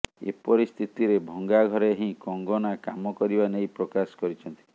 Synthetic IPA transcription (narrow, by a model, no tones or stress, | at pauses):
ḛpɔɾist̪ʰit̪iɾebʱɔŋɡaɡʱɔɾeɦĩkɔŋɡɔnakamɔkɔɾibanejpɾɔkasɔ̥kɔɾit͡ʃʰɔnt̪i̥